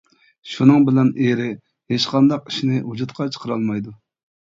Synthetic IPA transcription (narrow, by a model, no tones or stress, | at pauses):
ʃunɨŋbɪlɛneɾɪ | heʃqɑnd̪ɑqiʃinɪɦud͡ʒut̪qʰɑt͡ʃʰə̥qʰəɾɑlˠmɑjd̪u